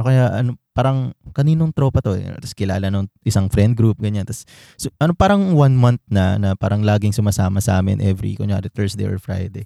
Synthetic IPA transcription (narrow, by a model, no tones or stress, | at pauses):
ʔokɐjaʔɐ̰nopaːɾɐŋkɐniːnoŋt̪ɾo̞ːpɐt̪o̞ɛ̰t̪ɐskɪla̰ːlɐnoŋʔɪsaŋfɾɛnd̪̚ɡɾuːp̚ɡɐɲant̪ɐsː | ʔɐnopaːɾɐŋwɐnmɐnt̪̚nɐ̰nɐpaːɾɐŋlaːɡɪŋsʊmasaːmɐsɐʔaːmɪ̰nʔɛvɾḭkoɲoa̰ɾɪt̪ɛɹsd̪ḛjʔo̰ɹfɾa̰jd̪ej